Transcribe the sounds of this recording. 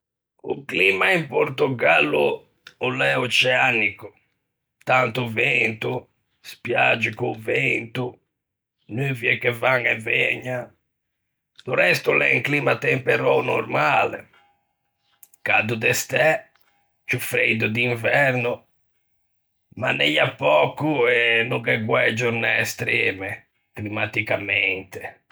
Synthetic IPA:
ṵklimaimpoɾt̪uɡalːṵ | ɔlɛut͡ʃɛaniku | t̪ant̪uvent̪u | spjad͡ʒikuvent̪u | nyviɛkːɛvaŋɛvɛɲːa | d̪urɛst̪ulɛ̰ŋklimat̪ɛmpɛɾɔnɔɾmaːlɛ̰ | kad̪ud̪ɛst̪ɛ | t͡ʃufɾejd̪ud̪iɱvɛɾnu | manːɛʎapːɔkːuɛnuɡɛɡwɛd͡ʒuɾnɛːst̪ɾɛːmɛ | klimat̪ikamɛnt̪ɛ

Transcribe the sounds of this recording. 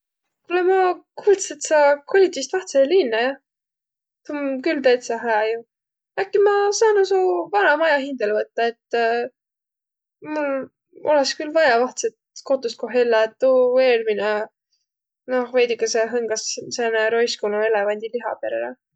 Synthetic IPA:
kulemɑkuːlt̪set̪sɑkʰolʲit̪ʲːˑist̪vɑht̪selinːɑjɑ | t̪umkylt̪ejt̪sɑɦæɑju | ækːimɑsɑːnosuvɑnɑmɑjɑɦind̪̥elvɤt̪ːɑet̪ː | mul | o̞leskylvɑjɑvɑht̪set̪ko̞t̪ːˑust̪̚koɦelːɑet̪ːuveːlmine | nohvejd̪ikɑseɦɤŋɡ̥ɑsseneɾojskonue̞levɑnʲd̪̥ʲiliɦɑ̰pe̞ɾḛlɑ

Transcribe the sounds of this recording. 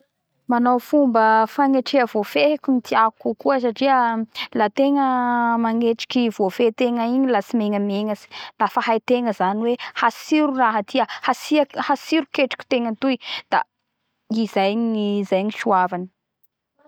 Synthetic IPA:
manowfumbəfaŋeʈ͡ʂeəvofekumit̪iakukuəsaʈ͡ʂiəlat̪eŋəmaŋeʈ͡ʂi̥kiv̥ofet̪eŋəiɲilasimeŋəmeŋəsi̥lafəhajt̪eŋəzaniwehasiɾuraɦət̪ʰiəhasiahasiɾukeʈ͡ʂḁkʲi̥t̪eŋət̪ujd̪̥a̰ | izajnizajɲiʃuavanə̥

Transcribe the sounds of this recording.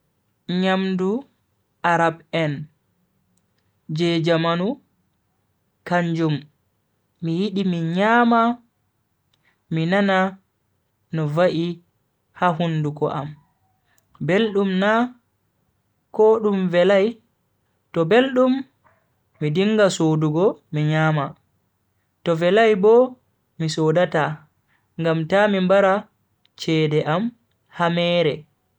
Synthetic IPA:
ɲamdu | ʔaɾabɛn | d͡ʒɛd͡ʒamanu | kaɲd͡ʒumː | ijiɗimiɲaːma | minana | nɔvaʔi | haɦundukɔ̰ʔa̰m | belɗumna | kɔɗumvɛlaj | tɔbelɗumː | idiŋɡasoduɡɔmiɲama | tɔvɛlajbɔ | misɔdata | ŋɡamtamimbaɾa | t͡ʃɛːdɛʔam | hamɛːɾɛ

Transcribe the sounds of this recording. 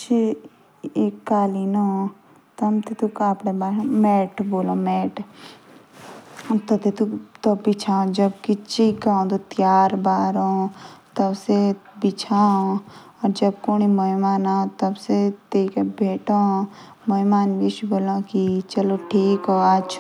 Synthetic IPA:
t͡ʃʰ | eːkːaːlino | t̪ɐmt̪et̪ukaːpɽebaːmɛːʈboːlõːmɛːʈ | t̪ɐt̪et̪ut̪ɔbit͡ʃʰãːõd͡ʒɐbkit͡ʃikãːd̪ot̪jaːɾbaːɾõːt̪ɐbsebɪt͡ʃʰaːõ | ɔːɾd͡ʒɐb̚koːɽ̃imɐimaːnãt̪ɐbset̪eikebʱeːʈõː | məimaːnbit͡ʃboːlãːkit͡ʃɐloʈʰiːkɦoːat͡ʃʰ

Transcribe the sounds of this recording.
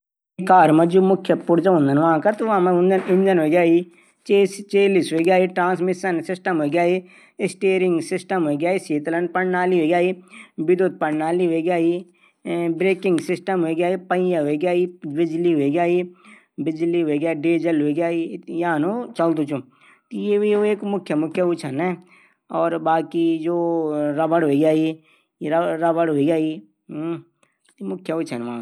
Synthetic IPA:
kaːɾmɐ̃d͡ʒumʊkʰjəpʊɽd͡ʒaɦʊ̃nd̪ənʋaãkɐɾt̪ʋãːmãɦʊ̃nd̪ɐnɪ̃ɲd͡ʒənɦoɡjaːi | t͡ʃeːst͡ʃeːlisɦoɡjaːiːʈɾãːnsmɪsənsɪsʈəmɦoːɡʲjaːi | ɪsʈeːɾɪ̃ŋɡsɪsʈəmɦoːɡjaːiːseːt̪lən̚pɐɳnaːliːɦoːɡʲjaːiːbɪd̪oːt̪̚pɐːaːliɦeːɡʲjaːi | bɾeːkɪŋɡsɪsʈəmɦoeɡʲjaːipɐ̃jaɦoɡʲjaːiːbɪd͡ʒliɦoiɡjaːi | bɪd͡ʒliɦoiɡjaːiɖeːd͡ʒəlɦoiɡjaːijaːnot͡ʃɐld̪ũt͡ʃʰu | t̪jeʋieːkmʊkʰjəmʊkʰjəʊt͡ʃʰənɛ̃ː | ɔːɾbaːkid͡ʒoːɾɐbəɽɦoiɡjaːi | ɾɾɐbəɽɦoiɡʲjaːi | mʊkʰjəʊt͡ʃʰənʋãː

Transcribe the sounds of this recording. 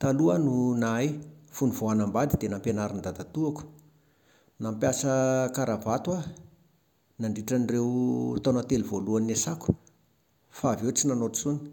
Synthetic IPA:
t̪aluənunajfunivoanambad̪id̪enampenaɾind̪ad̪at̪uaku̥ | nampjasəkaɾavat̪wa | naɳɖ͡ʐiʈ͡ʂanirewt̪onat̪elivoluanesaku̥ | favewt͡sinanoʈ͡ʂt͡suni̥

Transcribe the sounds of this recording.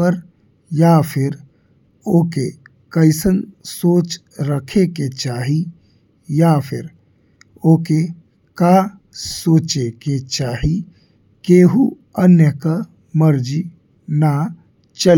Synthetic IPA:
əɾ | jaːpʰɪɾ | oːke | kəɪsənsoːt͡ʃ | ɾəkʰeket͡ʃaːɦi | japʰɪɾ | oːke | ka | soːt͡ʃeket͡ʃaːɦi | keːɦu | ənjəka | məɾd͡ʒi | na | t͡ʃəl

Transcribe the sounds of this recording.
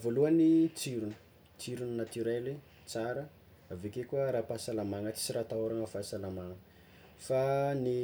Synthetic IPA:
voluanit͡siɾunə̥ | t͡siɾuninat̪yɾeli | t͡saɾə | avekekuəɾapasalamaŋət͡si̥siɾat̪aoɾaŋəfasalamaŋə | fani

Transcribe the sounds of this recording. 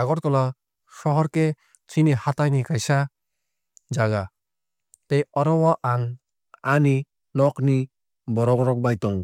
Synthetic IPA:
aɡɔt̚kɔla | ʃɔɦɔɾke | t͡ʃinihat̪ajnikajsa | d͡ʒaɡa | t̪ejɔɾɔwɔʔaŋ | ani | nɔkni | bɔɾɔbɔɾɔk̚bajt̪ɔŋ

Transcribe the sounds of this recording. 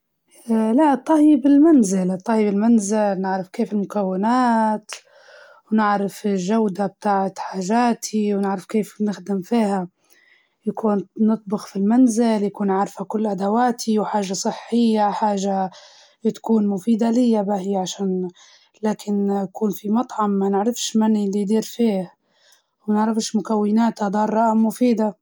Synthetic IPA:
laʔt̪ˤːɑibɪlmanzɪlt̪ˤːɑhibɪlmanzɪlnɪʕɾɪfkeːfɪlmʊkawːɪnaːt̪ | wnɪʕɾɪfɪʒawd̪ab̚t̪aːʕt̪ħaːʒaːt̪ʰiwnɪʕɾɪfkeːfnɪxd̪ɪmfiːha | jakuːnnɨt̪ˤbʊxfilmanzɪljakuːnʕaɾˤfhakʊlːʔad̪awaːt̪ʰiwħaːʒasˤɨħːɪjːaħaːʒa | t̪kuːnmʊfiːd̪alɪjːabaɦɪjʕaʃaːn | laːkʰɪnjakuːnfimɑt̪ˤʕɑmːanɪʕɾɪfʃmanilid̪iːɾfiːh | wanɪʕɾɪfʃmʊkawːɪnaːt̪had̪ˤɑːrˤɑʔamːʊfiːd̪a

